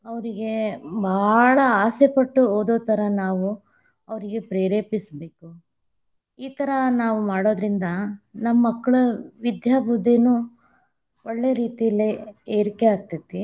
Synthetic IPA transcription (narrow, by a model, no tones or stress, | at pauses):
ɐʋɐɾiɡe̞bʱaːɭɐaːsepɐʈːuoːd̪oːt̪ʰɐɾɐnaːʋu | ɐʋɐɾiɡe̞pɾeːɾeːpisbeːku | iːt̪ɐɾɐnaːʋumaːɽo̞ːd̪ɾind̪ɐnɐmːɐkːɐɭuʋid̪jaːbʱud̪ːenu | oɭːeɐɾiːt̪ijɐlːeeːɾikeaːɡ̚t̪id̪i